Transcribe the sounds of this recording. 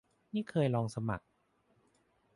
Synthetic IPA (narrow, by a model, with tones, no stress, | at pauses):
niː˥˩kʰɤː˧jlɔː˧ŋsa˧ma̰˨˩k̚